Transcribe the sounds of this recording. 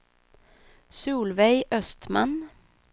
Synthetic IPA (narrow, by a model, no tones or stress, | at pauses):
suːlʋɛɪʔœst̪ma̰n